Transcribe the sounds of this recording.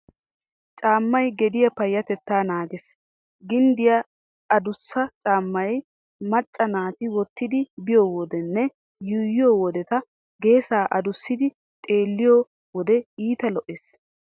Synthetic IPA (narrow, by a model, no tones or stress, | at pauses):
t͡ʃʼaːmːɐjɡɛd̪ɪjɐpɐjːɐt̪ɛt̪ːaːnaːɡɪs | ɡɪnd̪ɪjɐ | ɐd̪ʊsːɐt͡ʃʼaːmːɐj | mɐt͡ʃʼːɐnaːt̪ɪwɔt̪ːɪd̪ɪbɪjoːwɔd̪ɛnːɛ | jʊjːɪjowɔd̪ɛt̪ɐ | ɡe̞ːsaːʔɐd̪ʊsːɪd̪ɪ | t̪ʼe̞ːlːɪjo | wɔd̪ɛiːt̪ɐlɔʔeːs